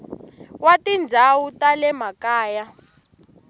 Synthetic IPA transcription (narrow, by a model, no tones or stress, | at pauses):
watind͡zʱawutalɛmakaːja